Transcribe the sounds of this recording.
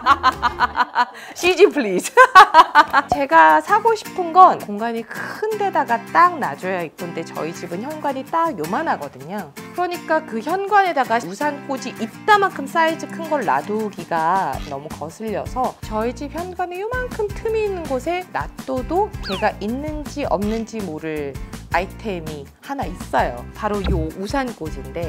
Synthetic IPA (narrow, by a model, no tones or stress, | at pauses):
ɕʰid͡ʑipʰɭis | t͡ɕe̞ɡasʰaɡoɕʰi̥pʰɯnɡʌnkoŋɡaɲikʰɯnde̞daɡat͈aŋna̰d͡ʑʌjaik͈onde̞t͡ɕʌ̰id͡ʑibɯnçjʌnɡwaɲit͈aɡjomanɦaɡʌdɯɲakɯɾʌɲik͈akɯçjʌnɡwane̞daɡausʰank͈od͡ʑiʔit̚t͈amankʰɯms͈aid͡ʑɯkʰɯnɡʌɭːa̰doɡiɡanʌmukʌsʰɯʎːʌsʰʌt͡ɕʌid͡ʑip̚çjʌnɡwanejomankʰɯmtʰɯmiːnːɯnɡosʰe̞na̰t͈odot͡ɕe̞ɡaʔinːɯnd͡ʑiʔʌ̰mnɯnd͡ʑimoɾɯɭaitʰe̞mi | hanais͈ʌjo̰paɾojousʰank͈od͡ʑinde̞